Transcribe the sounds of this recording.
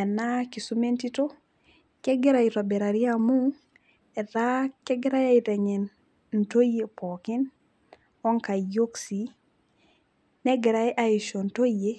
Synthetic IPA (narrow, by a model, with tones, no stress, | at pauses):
ɛ˨na˦ki˨su˦me˦nti˦to˦ | kɛ˦ɡɪ˦ɾa˨i˨tɔ˨bɛ˨ɾa˨ɾi˦a˦mu˦ | ɛ˨ða˦kɛ˦ɡɪ˦ɾa˦ja˦ɪtɛ˨ŋɛ˨n | n̩˨to˦je˨pʰɔ˨kɪ˦n | ɔ˦ŋka˨jo˦ksi˨ | nɛ˦ɡɪ˨ɾa˦ɛ˦ʔa˦ɪ˨ʃo˨n˨to˦je˦